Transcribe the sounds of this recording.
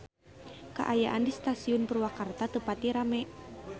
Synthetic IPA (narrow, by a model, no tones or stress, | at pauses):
ka̰ʔajaʔandist̪asiʊnpərwakart̪at̪əpat̪iɾamɛ